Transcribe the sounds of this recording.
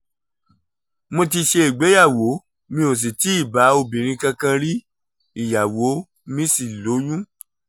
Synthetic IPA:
mõ˧ti˧ʃe˧i˨ɡ͡be˨˦ja˦˨wo˨˦ | mĩ˦o˨s̬i˨ti˨˦i˦˨ba˨˦o˧bĩ˨ɾ̃ĩ˧kã˧kã˧ɾi˦ | i˦˨ja˨wo˨˦ | mĩ˦si˦˨lo˨˦jũ˦

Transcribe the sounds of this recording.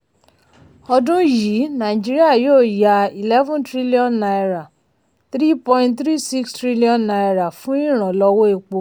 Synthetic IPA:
ɔ˧dũ˦ji˨˦nã˨i˨d͡ʒi˦ɾi˦a˦˨joː˦˨ja˨i˨lɛ˦vɔ̃˦ntɾi˦li˦ɔ̃˦nːa˧jɾa˨ | t̪ɾi˦pɔ̃˧ĩ˧ntt̪ɾi˦si˦kstɾi˦li˦ɔ̃˨nːa˧jɾa˨fũ˦ĩ˦˨ɾ̃ã˨lɔ˧wo˦e˨˧k͡po˧

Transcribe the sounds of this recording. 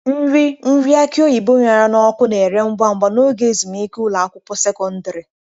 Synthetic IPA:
n̩˦ɾi˦m̩˦ɾi˦a˦kɪ˦o˦ji˨bo˦ɲa˨ɾa˦nɔ˦kʊ˦ne˨ɾe˦ŋ͡m̩˦ɡ͡ba˦ŋ͡m̩˨ɡ͡ba˨no˦ɡe˦e˨zi˨mi˦ku˦la˨a˦kʷʊ˦pʊ˦se˦kɔ˦n̩˦dɪ˨ɾɪ˨

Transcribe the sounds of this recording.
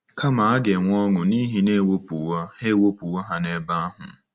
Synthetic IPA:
ka˦ma˨a˦ɡe˨ŋʷ˦ɔ˦ŋʊ˨ni˦ɦi˦ne˦˨wo˦pu˨wɔ˦e˦˨wo˦pu˨wɔ˦ɦa˦ne˦ba˦a˦ɦʊ̰˨

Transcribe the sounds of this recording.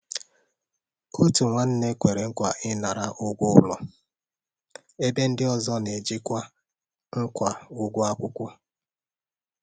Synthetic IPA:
ko˦tu˨ŋʷa˨n̩˦ne˦kʷe˨ɾe˨ŋ̩˦kʷa˨ʔɪ˦na˨ɾa˦ʔʊ˦ɡʷʊ˦ʊ˦lɔ̰˨ | e˦be˦n̩˦dɪ˦ɔ˦zɔ˦ne˨d͡ʒi˦kʷa˦ | ŋ̩˦kʷa˨ʊ˦ɡʷʊ˦a˦kʷʊ˦kʷʊ˦

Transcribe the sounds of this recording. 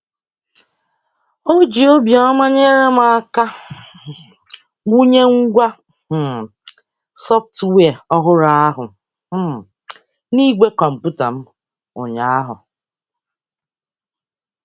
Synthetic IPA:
o˦d͡ʒi˨o˦bjɔ˦ma˦ɲe˦ɾe˦m˦a˦ka˦ | ɡʷu˦ɲe˦ŋ̩˦ɡʷa˦˨ | sɔ˦ftwe˦˨ɔ˦ɦʊ˦ɾa˦a˦ɦʊ˨˦˨ | ni˦ɡʷe˦kɔ˨m̩˨pu˦ta˨m̩˦ | ʊ̰˨ɲa˨a˦ɦʊ̰˨

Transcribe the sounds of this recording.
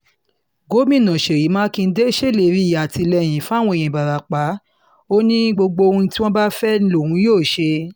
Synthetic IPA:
ɡo˨˦mĩ˦˨nã˨ʃe˨ɾi˨˦mãː˦kĩ˧n̩˦de˦ʃe˦le˨˧˨ɾi˦˨ja˨ti˧lɛ˧˨j̃ĩ˨˦fũ˦˨w̃ɔ̃˧ẽ˨ĩ˨ba˨ɾa˨k͡pa˨˦ | o˦nĩ˦ɡ͡bo˧ɡ͡bo˧ũ˧˦ti˦wɔ̃˦ba˦fɛ˦nĩ˦lo˦˨hũ˨˦joː˦˨ʃe˧

